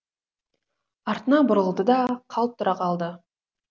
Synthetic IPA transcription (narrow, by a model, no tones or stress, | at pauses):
ɑɾt̪ənɑbʊɾəlˠd̪əd̪ɑqʰɑlˠp̚t̪ʰːʊɾɑqʰɑlˠd̪ə